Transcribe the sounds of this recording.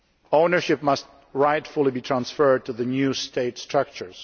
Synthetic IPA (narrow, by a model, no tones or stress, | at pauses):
õʊ̃nə˞ʃɪp̚mʌst̚ | ɹaɪtfʊlˠibitʰɹãnsfɜ˞d̚tʰuðɨnjʉstʰeɪtstɹ̥ʌk̚t͡ʃə˞z̥